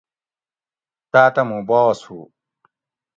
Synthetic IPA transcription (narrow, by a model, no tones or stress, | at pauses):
t̪aːt̪ɐmũboːwɐsuː